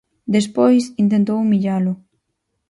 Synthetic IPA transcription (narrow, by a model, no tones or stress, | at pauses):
d̪espojsint̪ẽnt̪owmiʎalʊ